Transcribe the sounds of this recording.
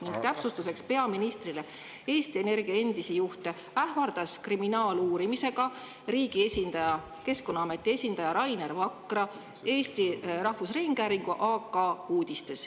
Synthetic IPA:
niŋɡ̥t̪æpsust̪use̞kspe̞ɑminist̪rile̞ | e̞ːst̪ie̞ne̞rɡ̥iɑe̞nd̪̥isijuht̪e̞ | æhvɑrd̪̥ɑskriminɑːluːɾimise̞ɡ̥ɑ | ɾiːɡ̥ie̞sʲind̪ɑjɑ | ke̞sko̞nːɑɑme̞t̪ːˑie̞sʲind̪ɑjɑɾɑjnervɑkːˑrɑ | e̞ːst̪iɾɑhvusriŋɡ̥æːɾiŋɡ̥uʔɑːkːɑuːd̪̥ist̪e̞s

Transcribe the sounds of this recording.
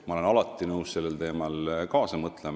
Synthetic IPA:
mɑolenɑlɑt̪ːˑinɤwsse̞lːelt̪e̞ːmɑlkɑːsɑmɤt̪ˑlem

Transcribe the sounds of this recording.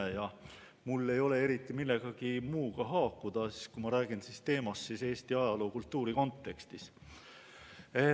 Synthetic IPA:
ejɑ | mulːe̞jo̞le̞e̞ɾit̪ːˑimilːe̞ɡ̥ɑɡimuːɡ̥ɑɦɑːkːˑud̪̥ɑsi̥skumɑɾæːɡ̥insist̪e̞ːmɑssise̞ːst̪iɑjɑlo̞kult̪ːuːɾiko̞nt̪ːe̞kst̪is | e

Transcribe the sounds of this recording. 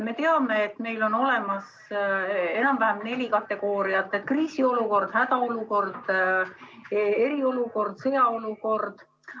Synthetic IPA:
me̞t̪e̞ɑme̞ːt̪ːme̞jlo̞no̞le̞mɑs | e̞nɑmvæhæmne̞lʲikɑt̪ːˑe̞ɡ̥o̞ːɾiɑt̪ːˑet̪kriːsio̞luko̞rd̪̥hæd̪̥ɑo̞luko̞rd̪̥ | e̞ɾio̞luko̞rd̪̥se̞ɑoluko̞rd̪̥

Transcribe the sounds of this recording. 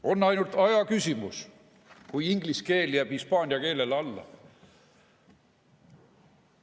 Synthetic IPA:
o̞nːɑjnult̪ɑjɑkysʲimus | kujiŋɡ̥liske̞ːljæːb̥hispɑːnʲiɑke̞ːle̞lɑlːɑ̰

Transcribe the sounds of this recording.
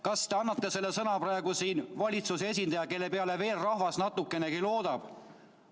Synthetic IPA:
kɑst̪e̞ɑnːɑt̪ːe̞se̞lːe̞sɤnɑprɑe̞ɡusiːnvɑlʲit̪susee̞s̬ʲind̪ɑjɑke̞lːe̞peɑleve̞ːlrɑhvɑsnɑt̪ːˑukːˑe̞ne̞kilo̞ːd̪̥ɑb̥

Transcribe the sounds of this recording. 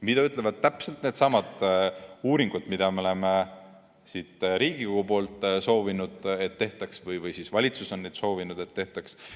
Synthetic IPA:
mid̪ɑyt̪ˑlevɑd̪̥̚t̪æpse̞lt̪ne̞ːd̪̥sɑmɑd̪ | uːɾiŋɡ̥ut̪mid̪̥ɑmeoleme | sit̪ˑɾiːɡ̥ikoɡ̥upo̞ːlt̪ˑso̞ːvinud̪̥et̪ːe̞ht̪ˑɑksvɤjvɯjsisvɑlʲit̪susɑnːed̪̥so̞ːvinud̪̥e̞t̪ːe̞ht̪ɑks

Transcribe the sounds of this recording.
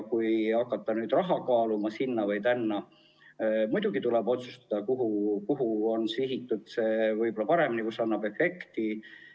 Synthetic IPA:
kujɑkːˑɑt̪ːɑnyːd̪̥rɑɦɑkɑːlumɑsinːɑvɯjt̪ænːɑ | mujd̪̥uɡ̥it̪ulɛbo̞t̪su̥st̪ɑ̥d̪̥ɑkuɦukuɦuo̞nsiɦit̪ːˑut̪seːvɯjbo̞lɑpɑɾe̞minikusɑnːɑb̥efe̞kt̪i

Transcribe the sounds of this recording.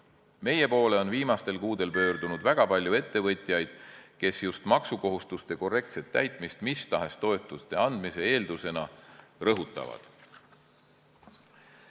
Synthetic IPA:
me̞je̞po̞ːle̞o̞nviːmɑst̪e̞lkuːd̪̥e̞lpø̞ːɾd̪unud̪væɡ̥ɑpɑlʲjue̞t̪ːe̞vɤ̞t̪ʲjɑjd̪̥ke̞sjust̪mɑksuko̞ɦust̪ust̪e̞ko̞re̞k̚t̪se̞t̪ːæjt̪ˑmist̪mist̪ɑɦe̞st̪o̞e̞t̪ːˑust̪e̞ɑnd̪mise̞e̞ːld̪use̞nɑrɤɦut̪ːˑɑ̰vɑ̰d̪̥

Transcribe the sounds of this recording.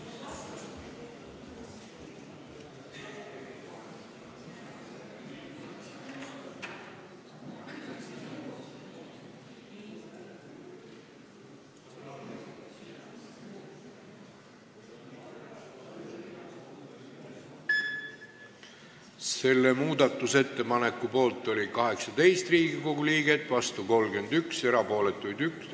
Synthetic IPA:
se̞lːe̞muːd̪ɑt̪ːˑuse̞t̪ːe̞pɑne̞kːˑupo̞ːlt̪ˑːo̞lʲikɑɦe̞ksɑt̪e̞jst̪riːɡ̥iko̞ɡuliːɡe̞t̪vɑst̪uko̞lɡ̥end̪̥ykse̞ɾɑpo̞ːle̞t̪ːˑujd̪yks

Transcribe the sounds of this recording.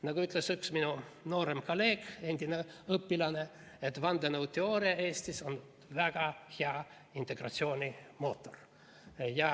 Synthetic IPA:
nɑɡ̥uyt̪ˑlesyksminuno̞ːɾemkole̞ːɡ̥e̞nd̪̥ʲineɤpːilɑne̞ | et̪ːvɑnd̪enowt̪ːeo̞ːɾiɑe̞ːst̪iso̞n | væɡ̥ɑheɑ | int̪e̞ɡ̥rɑ̰t̪sio̞ːnʲimo̞ːt̪ːˑo̞r | jɑ

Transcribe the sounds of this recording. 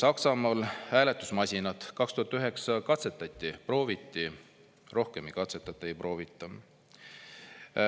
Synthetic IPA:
sɑksɑmɑːlhæːle̞t̪ːˑusmɑsʲinɑt̪ˑkɑkst̪uhɑt̪ːˑyɦe̞ksɑkɑt̪se̞t̪ːˑɑt̪ʲːipro̞ːvit̪ːi | ro̞hke̞mikɑt̪set̪ːˑɑt̪ːˑɑeejpro̞ːvit̪ːˑɑ

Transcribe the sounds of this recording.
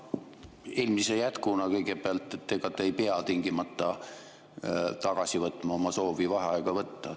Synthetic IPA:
elmisejæt̪kunɑkɤjɡ̥e̞b̥eɑlt̪ːˑet̪ːeɡ̥ɑt̪ːejpeɑt̪iŋɡ̥imɑt̪ːɑ | t̪ɑɡ̥ɑsivɤt̪ːˑmɑo̞mɑso̞ːvivɑɦɑɑeɡ̥ɑvɤt̪ːɑ

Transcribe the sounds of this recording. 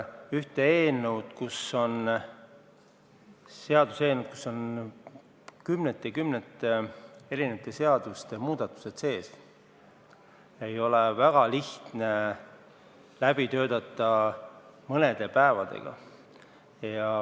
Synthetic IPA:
yht̪eeːnewd̪̥kusːo̞n | se̞ɑd̪use̞ːnet̪̚ku̥sːo̞n | kymnet̪ːˑekymnet̪ːˑee̞ɾinet̪ːˑese̞ɑd̪̥ust̪e̞muːd̪̥ɑt̪ːˑu̥se̞t̪se̞ːs | e̞jo̞levæɡ̥ɑliht̪ne̞ | læb̥it̪ø̞ːd̪ɑt̪ˑːɑ | mɤne̞d̪̥e̞pæevɑd̪̥e̞̰ɡ̥ɑ̰ | jɑ

